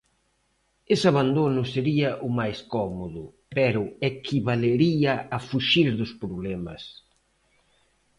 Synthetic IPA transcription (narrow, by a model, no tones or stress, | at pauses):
esaβand̪onʊseɾiɐʔʊmajskɔmoðʊpɛɾʊekʰiβaleɾiɐafuʃiɾðʊspɾoβlɛmɐ̰s